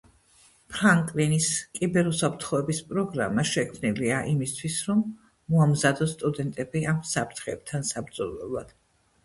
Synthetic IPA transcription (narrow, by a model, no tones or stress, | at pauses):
pʰɾaŋkʼliniskʼibɛɾusapʰɾt̪ʰχɔɛbispʼɾɔɡɾa̰maʃɛkʰmniliaʔimist̪ʰwisɾɔmː | ɔamzad̪ɔst̪ʼud̪ɛnt̪ʼɛbiamsapʰɾt̪ʰχɛːb̥̚t̪ʰansabɾd̪zɔlɛ̰lˠa̰d̪̥